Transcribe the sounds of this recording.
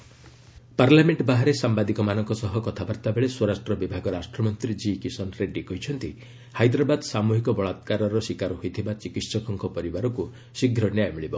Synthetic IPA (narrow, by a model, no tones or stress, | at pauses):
paɾlameɳʈbaɦaɾesambad̪ikɔmanɔŋkɔsɔɦɔkɔt̪ʰabaɾt̪abeɭeswɔɾasʈɾɔbibʱaɡɔɾasʈɾɔmɔnt̪ɾid͡ʒikisɔnɾeɖikɔɦit͡ʃʰɔnt̪i | hajd̪ɾabad̪samuɦikɔbɔɭat̪kaɾɔɾɔsikaɾɔɦit̪ʰibat͡ʃikitsɔkɔŋkɔpɔɾibaɾɔku | siɡʱɾɔnjajmiɭibɔ